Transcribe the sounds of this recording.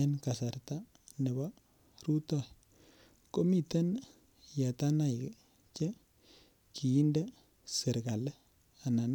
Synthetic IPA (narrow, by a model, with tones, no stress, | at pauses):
e˦nka˨sa˨ɾta˦ | nɛ˨ba˦ | ɾu˦tɔ˦˨ | ko˦mi˨te˦n | ja˨ta˦na˨j | t͡ʃɛ˦ | kʰi˨ji˦nde˦ | si˨ɾɡa˨l | a˨na˨n